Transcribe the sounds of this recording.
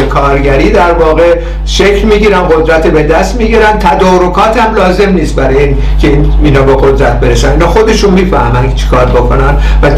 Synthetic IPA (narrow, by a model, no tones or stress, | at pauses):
ekʰɒːɾɟæɾiːd̪æɾvɒːɣe | ʃecʰlmiːɟiːɾænɢo̞d̪ɾæt̪ʰebe̞d̪æst̪miːɡiɾænt̪ʰæd̪ɒːɾo̞kʰɒːt̪hæmlɒːze̞mniːst̪bæɾɒːjiːn | cʲʰeininɒːbeɣo̞d̪ɾæt̪̚be̞ɾeʃæniːnɒːxo̞d̪e̞ʃunmiːfæhmænʰt͡ʃʰi̥kʰɒːɾbokʰo̞næn | væ